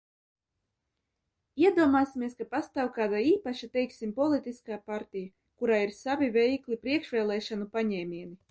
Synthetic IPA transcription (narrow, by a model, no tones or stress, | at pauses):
iɛd̪uɔmaːsimʲiɛskapast̪awkaːd̪aiːpaʃat̪ɛjksimpɔlˠit̪iskaːpaɾt̪ija | kuɾaːiɾsavʲivʲɛjklipɾiɛkʃʋʲɛːlˠɛːʃanupaɲɛːmʲiɛni